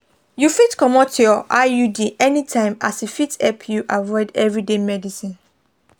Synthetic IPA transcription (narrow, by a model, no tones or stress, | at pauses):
jufitkɔmɔ̃tʰujɔʔajudiʔɛnĩtʰãɪ̃ma̰sifitɛpʰjuʔavɔɪdɛvɹidemɛdisĩn